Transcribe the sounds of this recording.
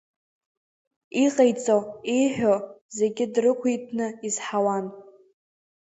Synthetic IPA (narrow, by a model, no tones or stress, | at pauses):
iqʼejt͡sʼoijħʷᶣoze̞ɡʲɪdrɨkʷʰijtʰnɨizħawan